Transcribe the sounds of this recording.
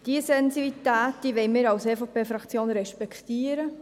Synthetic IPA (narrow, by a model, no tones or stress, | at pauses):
d̥iəsɛnsibit̪æːt̚d̥iːʋɛɪmɪːɾɑwseːfopʰeːfɾɑkt͡sjoːnɾɛʃpɛkχtiːəɾə